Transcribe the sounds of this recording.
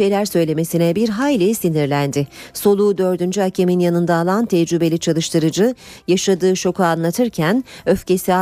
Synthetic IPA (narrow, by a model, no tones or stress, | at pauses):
e̞jlʲæɾsø̞jlʲe̞me̞sinɛbiɾɦajlʲisiniɾlʲænd̪ɪso̞lˠuːd̪ø̞ɾd̪ynd͡ʒyɦacʰeminjanɯnd̪aːlˠant̪ʰɛd͡ʒɾybe̞lʲit͡ʃʰalˠɯʃt̪ɯɾɯd͡ʒɯjaʃad̪ɯːʃo̞kʰuaaːnlˠat̪ʰɯɾcʰænø̞fce̞sia